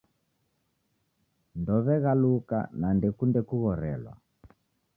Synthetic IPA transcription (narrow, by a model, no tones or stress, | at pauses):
ndɔβɛɣaluka̰nandɛkundɛkuɣɔɾɛlwa̰